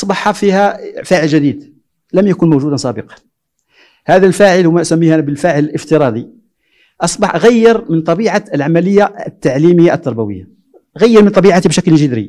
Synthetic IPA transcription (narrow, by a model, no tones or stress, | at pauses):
ʔɑsˤbɑħɑfihæfæʕəlʒæd̪id̪ | ləmjækʊnmuʒud̪ənsˤɑbəqɑ̥n | hæd̪ælfæʕəlwmæʔsæmːihʔænæbəlfæʕələləft̪əɾˤɑd̪ˤi | ʔɑsˤbɑħʔɣæjːəɾmənt̪ˤɑbiʕaəlʕamæləjːaət̪ːaʕliməjːaʔət̪ːɑɾˤbæwəjːa̰ | ʔɣæjːəɾmənt̪ˤɑbiʕat̪ibʃæklənʒəd̪ɾḭ